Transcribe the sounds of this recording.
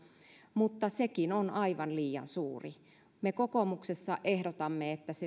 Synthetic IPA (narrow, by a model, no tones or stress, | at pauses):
mut̪ːɑsekinonɑiʋɑnliːjɑ̰nsuːri | mekokomuksesːɑʔehdot̪ɑmːeet̪ːæse